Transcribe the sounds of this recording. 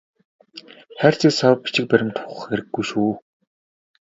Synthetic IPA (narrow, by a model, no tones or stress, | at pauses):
χæːr̥ʲt͡ɕʰisaw̆p̚pi̥t͡ɕɪ̆k̚pæɾʲɪ̆mt̪ʰʊχ̆χxeɾɘ̆ɡːujʃuː